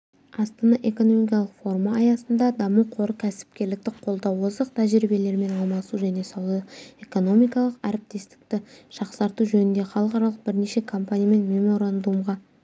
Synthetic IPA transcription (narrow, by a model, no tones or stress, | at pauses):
ɑst̪ɑnɑʔe̞ko̞no̞mijkʲijɑlˠəqfo̞rmɑːjɑsənd̪ɑd̪ɑmuqʰo̞ɾəkʲʰæsɪ̥p̚kʲe̞ɾlɪk̚t̪ɪqʰo̞lˠd̪ɑwəzd̪əqt̪ʰæʒɾibe̞le̞ɾme̞nɑlˠmɑsuʒæne̞sɑwlˠe̞ko̞no̞mijkɑlˠəqæɾɪp̚t̪e̞st̪ɪ̥k̚t̪ɪʃɑqsɑɾt̪uʒɵnɪnd̪e̞χɑlˠəqɑɾɑlˠəq̚bɪɾne̞ʃe̞kʰo̞mpanʲijame̞nmʲe̞mo̞ɾand̪umʁɑ